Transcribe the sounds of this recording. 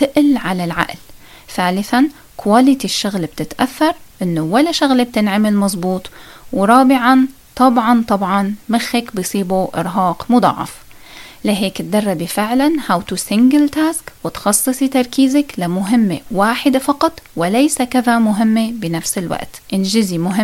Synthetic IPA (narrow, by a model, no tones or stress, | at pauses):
t̪ɪʔlʕalalʕa̰ʔl | θaːlɪθan | kwaːlɪt̪iʃːʊɣlb̥̚t̪ɪt̪ʔaθːɑɾˤʔɪnːowalaʃʊɣlb̚t̪ɪnʕamɪlmɑzˤbuːt̪ˤwɾˤɑːbɪʕɑn | t̪ˤɑbʕɑnt̪ˤɑbʕɑnmɪxːakbɪjsˤiːbuʔɪ̰ɾɦɑːqmʊd̪ˤɑ̰ʕːɑ̰f | laɦeːkt̪̚d̪ɑrˤːɑbifɪʕlanhawt̪usɪŋɡɪlt̪aːskwɪt̪xɑsˤːɨsˤit̪ɑɾˤkiːzaklamʊɦɪmːewaːħɪd̪efɑqɑt̪ˤwɪlajsakaðamʊɦɪmːebɪnafsɪlwa̰ʔt̪ʔɪnʒɪzimʊɦɪ